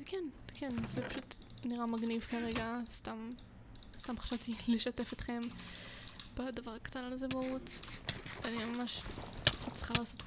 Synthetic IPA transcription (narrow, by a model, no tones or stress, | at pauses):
kɛnkʰenzepḁʃut | niʁamaɡnivkaʁe̞ɡast̪am | st̪amχḁʃavt̪ileʃate̞fit̪χe̞m | badavaʁakḁt̪analzemaut | animamaʃ | at͡sl̥χalaːso̞t